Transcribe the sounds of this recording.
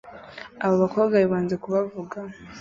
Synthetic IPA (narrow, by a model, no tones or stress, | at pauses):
aβoβakoːβɡaβiβaːnzekuβavuɡa